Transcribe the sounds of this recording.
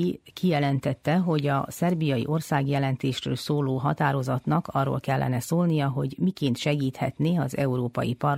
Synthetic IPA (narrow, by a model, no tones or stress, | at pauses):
ikijɛlɛnt̪ɛt̪ːɛɦo̞ɟɒ̰sɛrbijɒjḭʔo̞rsaːɡjɛlɛnt̪eːʃrø̰ːlsoːloːɦɒt̪aːɾo̞zɒt̪nɒkʰɒrːo̰lkɛlːɛ̰nɛsoːlnijɒɦo̞ɟmikeːnt̪ʃɛɡiːt̪hɛ̰t̪neːɒzɛuɾoːpɒ̰jipɒr